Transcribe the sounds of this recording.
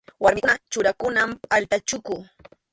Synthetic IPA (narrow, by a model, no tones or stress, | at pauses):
waɾmɪkʊnat͡ʃʊɾakʊnamalt̪at͡ʃʊkʊ